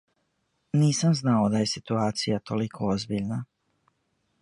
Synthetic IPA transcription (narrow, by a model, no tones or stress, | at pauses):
niːsamznaod̪aje̞sit̪uaːt̪sijat̪olikʰoozbiʎna